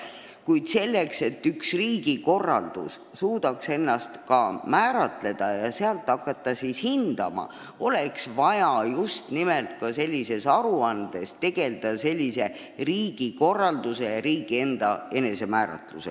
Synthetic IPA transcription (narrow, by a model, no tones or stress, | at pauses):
kujd̪̥se̞lːe̞kse̞t̪ːyksriːɡ̥iko̞rːɑ̰ld̪̥us | suːd̪̥ɑkse̞nːɑst̪kɑmæːɾɑt̪le̞d̪̥ɑjɑseɑlt̪ːˑɑkːˑɑt̪ːˑɑsishind̪̥ɑ̰mɑ̰ | o̞le̞ksvɑjɑjust̪nimelt̪kɑse̞lʲːise̞sɑɾuɑnd̪̥e̞st̪e̞ɡ̥e̞ld̪̥ɑse̞lʲːise̞ | riːɡ̥iko̞rːɑld̪̥use̞jɑɾiːɡ̥ie̞nd̪̥ɑe̞ne̞se̞mæːɾɑ̰t̪lṵse